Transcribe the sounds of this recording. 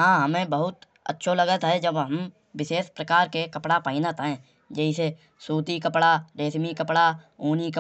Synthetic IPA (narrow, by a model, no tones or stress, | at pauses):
ɦãːɦɐmẽbəɦʊt̪ | ə̰tːʃʰoləɡət̪ɦɛd͡ʒəbɦəm | wɪʃeːspɾəkaːɾkekɐpɽapaːinat̪ːẽː | d͡ʒɛːise | suːt̪ikəpɽaɾeːsmikəpɽa | uːnikə